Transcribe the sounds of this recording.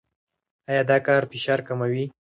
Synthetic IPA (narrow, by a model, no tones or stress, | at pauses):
ɑjɑd̪ɑkɑɾfɪʃɑɾkamawi